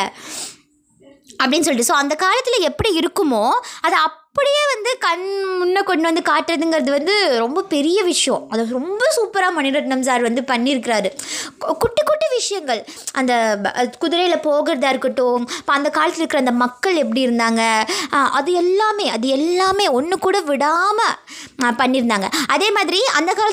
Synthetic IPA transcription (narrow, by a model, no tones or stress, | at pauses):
ɐpːɐɽɪnːɯs̬ɔlːɪʈɯsoːɐnd̪ɐkaːlɐt̪ːɪlɐɛpːɐɽiɪɾɯkːɯmoːɐðɐɐpːɐɽɪjeːʋɐnd̪ɯkɐɳmʊnːɐkɔɳɖɯʋɐnd̪ɯkaːʈːɪɾɐðɯŋɡɐɾɐðɯʋɐnd̪ɯɾɔmbɐpɛɾɪjɐʋɪʂɐjɔ̃ɐðoɾɔmbɐsuːpɐɾaːmɐnɪɾɐʈnɐmsaːɾʋɐnd̪ɯpɐɳːiɾɯk̬ːɪɾaːɾɯkʊʈːɯkːʊʈːɯʋɪʂɐjɐŋɡɐɭ | ʔɐnd̪ɐkʊðɪɾɐjɪlɐpoːɣɪɾɐðaːɪɾɯkːɪʈːʊ̃ɐpːɐɐnd̪ɐkaːlɐt̪ːɪɾɯkːɪɾɐːnd̪ɐmɐkːɐɭɛp̬ːɐɽiɪɾɯnd̪aːŋɡɐʔɐðɯɛlːaːmeːɐðɯɛlːaːmeːɔnːɯkːuːɽɐʋɪɽaːmɐ | pɐɳːɪɾɯnd̪aːŋɡɐʔɐðeːmaːðɪɾiɐnd̪ɐkaːl